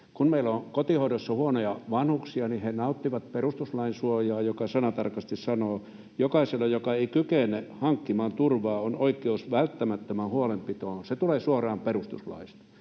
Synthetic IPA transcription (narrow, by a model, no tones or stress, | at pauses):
kunmeilokot̪ihoˑidosːɑhuonojɑʋɑnhuksiɑnihenɑut̪ːiʋɑt̪̚perust̪uslɑinsuojɑːjokɑsɑnɑt̪ɑrkɑst̪issɑnoː | jokɑiselːɑjokɑeikykenehɑŋkːimɑːnt̪urʋɑːonoikˑeusʋælt̪ːæmæt̪ːømæhuolempit̪oːset̪uleːsuorɑːmperust̪ṵslɑ̰ist̪ɑ̥